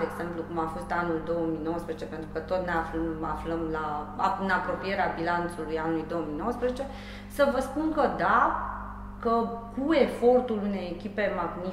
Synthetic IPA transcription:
eːɡz̥e̞mplukumafo̞st̪anuld̪o̞wəmino̞wəspɾezet͡ʃe̞pe̞nt̪ɾukət̪o̞t̪neaflma̰fləmlaɨnapɾo̞pijeɾeabilant̪sulujanulujd̪o̞əminowəspɾezet͡ʃe̞ | səvəspunkəd̪a | kəkue̞fo̞rt̪ulune̞jekʲipe̞maɡni

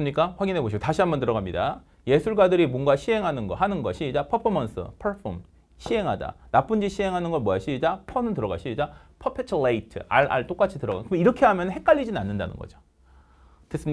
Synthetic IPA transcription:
ɯmɲik͈aɸwaɡinɦe̞boɕ̬ʰiotaɕʰiambʌntɯɾʌɡamɲida̰ | je̞sʰuɭɡwadɯɾimwʌnɡaɕʰiɦe̞ŋɦanɯnɡʌɦanɯnɡʌɕʰiid͡ʑapʰʌpʰʌmʌns͈ʰɯ̰pʰaɭpʰom | ɕʰiɦe̞ŋɦada̰nap͈ɯnd͡ʑiɕʰie̞ŋɦanɯnɡʌmwʌjaɕʰiid͡ʑapʰʌnɯntɯɾʌɡa̰ɕʰiid͡ʑapʰʌpʰet͡ɕʰɯleitʰɯ̰a̰ɾa̰ɭt͈ok͈at͡ɕʰitɯɾʌɡɣa̰nkɯmiɾʌkʰe̞ɦamjʌnɯnɦe̞k͈aʎːid͡ʑinɯnanːɯnda̰nɯnɡʌ̰d͡ʑo | tes͈ɯ

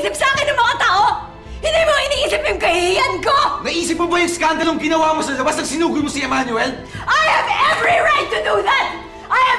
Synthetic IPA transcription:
sɪp̚sɐaːkɪnːɐŋmɐŋat̪aːʔo | hɪ̃nd̪ijmoŋɐʔɪniʔiːsɪp̚jʊŋkɐhɪhiːɐnkonɐʔiːsɪp̚mobɐjɐŋskand̪ɐloŋɡɪnɐwaːmosɐlɐbasnɐŋsɪnuːkʊjmosiɛmanʊɛl | ʔajhɐvɛvɹiɹajt̪ːʊd̪uðɐt̪̚ | ʔajɐ

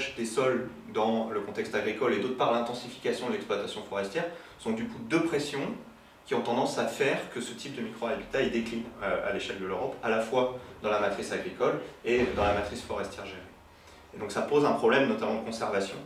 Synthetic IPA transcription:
ʒd̪esɔld̪ɑ̃ləkɔ̃t̪ɛkst̪aɡʁikɔled̪ot̪χəpaʁlɛ̃t̪ɑ̃sifi̥kasjɔ̃d̪əlɛksplwat̪asjɔ̃fɔʁɛst̪jɛʁ | sɔ̃d̪ykud̪øpχesjɔ̃ | kʲiɔ̃t̪ɑ̃d̪ɑ̃safɛʁkəsət̪ʰip̚d̪əmikχɔalbit̪aid̪eklinøa̰leʃɛld̪əløʁɔpa̰lafwad̪ɑ̃lamat̪χisaɡʁikɔled̪ɑ̃lamat̪χisfɔʁɛst̪jɛʁʒeʁe | ed̪ɔ̃ksapozɛ̃pχɔblɛmnɔt̪amɑ̃d̪əkɔ̃sɛʁvasjɔ̃

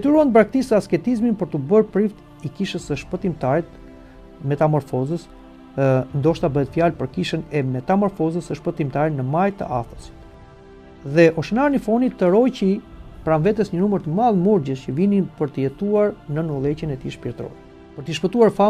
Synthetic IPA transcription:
d̪ɛt̪yɾuanbɾak̚t̪isəaskɛt̪izminpəɾt̪əbəɾpɾift̪ | ikiʃəsəʃpət̪imt̪aɾ | mɛt̪amɔɾfɔzəs | nd̪ɔʃt̪abəɦɛt̪fjalpəɾkiʃənɛmɛt̪amɔɾfɔzəsəʃpət̪imt̪aɾinəmajt̪ə̰ʔa̰θəsi̥t̪ | ðɛʔɔʃənanifɔnit̪ːəɾɔjcipɾanvɛt̪ɛsɲənuməɾt̪əmalˠmuɾɟəscəvinipəɾt̪əjɛt̪uaɾnənɔlˠɛt͡ɕənɛt̪iʃpiɾt̪ɾɔ̰ɾ | pəɾt̪əʃpət̪uaɾfa

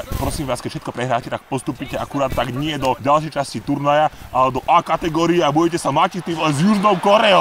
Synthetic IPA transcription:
pɾɔsiːmʋaːskɛcfʃɛt̪̚kɔpɾɛɦɾaːcɛt̪ak̚pɔst̪uːpiːcɛakuɾaːt̪ːaɡɲɪɛd̪ɔɟalʃ̬ɛjt͡ʃascit̪uɾnajaʔalɛd̪ɔʔaːkat̪ɛɡɔːɾiɛabɔjcɛsamacit̪imɛzjuʒnɔwkɔɾɛɔ

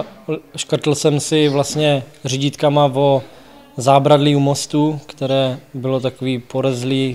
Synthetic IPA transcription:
ʃkr̩t̪l̩sɛmsɪvlast̪ɲɛriɟɪt̪kamavo | zaːbɾadliumo̞st̪ukt̪ɛɾɛːbɪlot̪akoviːpoɾɛzliː

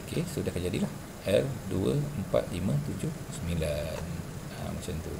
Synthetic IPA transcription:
okesudahkaɲd͡ʒadilah | ʔɛrduəəmpa̰t̪̚limə̃t̪ud͡ʒʊhsəmilan | a̰mat͡ʃant̪ṵ

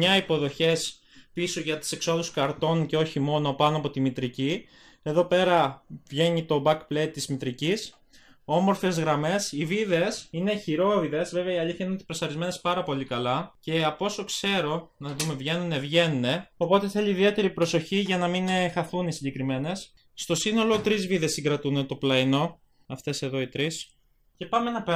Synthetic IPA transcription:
mɲɐipo̞ðo̞çe̞s | pisoʝɐt̪i̥se̞kso̞ðuskɐɾt̪o̞nce̞o̞çimo̞no̞pɐnoɐpo̞t̪imit̪ɾici | e̞ðo̞pe̞ɾɐvʝe̞ɲit̪o̞bɐkplet̪t̪ːizmit̪ɾicis | o̞mo̞ɾfe̞zɣɾɐme̞siviðe̞sine̞çiɾo̞viðe̞zve̞ve̞ɐiɐliθçɐinot̪i̥pɾosɐɾizme̞ne̞spɐɾɐpo̞likɐlɐce̞ɐpo̞so̞kse̞ɾo̞nɐðume̞vʝe̞nunevʝe̞nune̞o̞po̞t̪eθe̞liːðie̞t̪e̞ɾipɾo̞so̞çiʝɐnɐminxɐθunisiɲɟe̞kɾime̞ne̞sː | t̪o̞sino̞lo̞t̪ɾizviðe̞sːiŋɡɾɐt̪unet̪o̞plɐino̞ | ɐft̪e̞se̞ðo̞it̪ɾis | ce̞pɐmenɐ

